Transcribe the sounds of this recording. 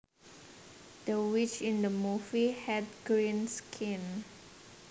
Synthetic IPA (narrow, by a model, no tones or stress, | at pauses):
d̥əwit͡ʃĩndəmuvihɛdɡɹĩnskʰĩn